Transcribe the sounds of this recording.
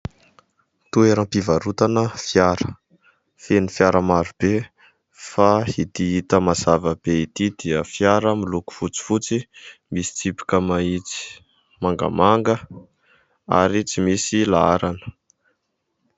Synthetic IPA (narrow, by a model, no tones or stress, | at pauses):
t̪ueɾampivaɾut̪anəfjaɾə̥ | fenifjaɾəmaɾub̥e | fahit̪iit̪əmaz̥avəb̥eit̪id̪̥iəfjaɾəmiluku̥fut͡si̥fut͡simisi̥t͡sipi̥kəmait͡si̥ | maŋɡa̰maŋɡə | a̰ɾit͡simisilaaɾanə̥